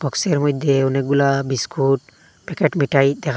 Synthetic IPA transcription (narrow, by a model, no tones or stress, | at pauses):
bɔkseɾmɔjd̪ʱːeɔneɡulabiskʰuʈ | pɛkeʈmiʈajd̪ɛkʰa